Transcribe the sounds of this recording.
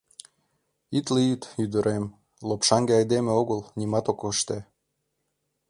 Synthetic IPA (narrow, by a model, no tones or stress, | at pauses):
it̪lijit̪yd̪əɾʔem | lopʃɑŋɡeɑjd̪emeoɣəlnʲimɑt̪okɤʃt̪e